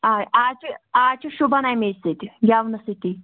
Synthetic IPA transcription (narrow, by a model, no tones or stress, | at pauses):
aːaːt͡ʃiaːt͡ʃiʃubɐnajmeːsit̪iɡʲaʋnɐsit̪i